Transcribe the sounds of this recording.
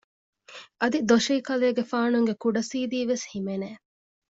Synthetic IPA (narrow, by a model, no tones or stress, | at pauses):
ʔɐd̪id̪oʃiːkɐleːɡefaːnuŋɡekuɖɐsiːd̪iːʋeshimeneː